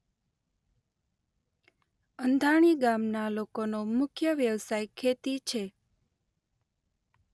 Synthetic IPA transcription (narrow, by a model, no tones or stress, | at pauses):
ənd̪ʱaɽ̃iɡamnalokonomʊkʰjəʋjəʋsajkʰːet̪it͡ʃʰe